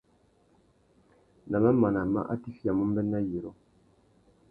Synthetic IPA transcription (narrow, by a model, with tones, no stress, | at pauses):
na˨ma˦ma˨na˨ma̰˦ʔa̰˦ti˦fi˦a˨mu˦m˦bɛ˦nːa˦je˨ɾo˦